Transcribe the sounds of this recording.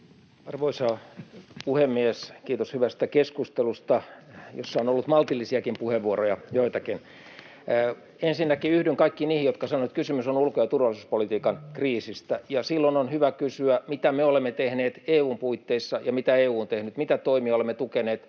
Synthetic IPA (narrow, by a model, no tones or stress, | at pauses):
ɑrʋoisɑːpuhemːieskiːt̪oshyʋæst̪ækeskust̪elust̪ɑjo̰sːɑonolːut̪mɑlt̪ilːisiɑkimpuheʋʋuorojɑjoit̪ɑkin | ensinːækiyhdyŋkɑikːiniːhijot̪kɑsɑnoet̪kysymysonulkojɑt̪urʋɑlˑisuːspolit̪iːkɑnkriːsist̪æjɑsilːononhyʋækysyæmit̪æmeolemːet̪ehneːt̪eːuːmpuit̪ːeisːɑjɑmit̪æeːuːnt̪ehnyt̪mit̪æt̪oimiɑolemːet̪ukeneːt̪